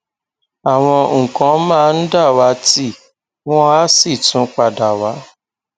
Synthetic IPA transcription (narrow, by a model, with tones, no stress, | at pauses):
a˨w̃ɔ̃˧ŋ̩˨kã˨˦mãː˦˧˨n̩˦da˦˨wa˨˦ti˦ | w̃ɔ̃˦a˦si˦˨tũ˨˦k͡pa˧da˨wa˨˦